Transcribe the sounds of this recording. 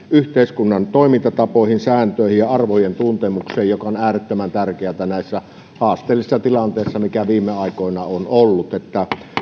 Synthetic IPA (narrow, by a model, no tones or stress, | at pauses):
yht̪eˑiskunːɑnt̪oˑimint̪ɑt̪ɑpoˑihinsæːnt̪øˑihijjɑɑrʋojent̪unt̪emukseːjjokɑonæːret̪ːømænt̪ærkeæt̪ænæˑisːæ | hɑːst̪ˑeːlːˑisːɑt̪ilɑnt̪eˑisːɑmikæʋiːmːˑeɑˑikoˑenɑonolːut̪et̪ːæ